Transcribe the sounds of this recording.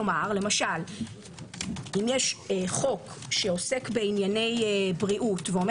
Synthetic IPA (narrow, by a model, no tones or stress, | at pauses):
omaʁle̞maʃal | imjeʃχo̞k | ʃeo̞se̞kbe̞injane̞jbʁiʔutveo̞me